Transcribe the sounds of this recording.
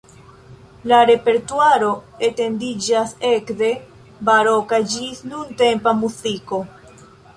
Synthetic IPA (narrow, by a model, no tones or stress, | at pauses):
laɾe̞pe̞ɾtuaɾo̞e̞te̞ndid͡ʒase̞kde̞ | baɾo̞kad͡ʒisnunte̞mpamuziko̞